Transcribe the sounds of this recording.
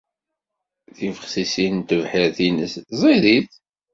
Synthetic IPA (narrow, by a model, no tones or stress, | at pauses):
θivəχsisint̪əvħəɾθinəszˤiɾiθ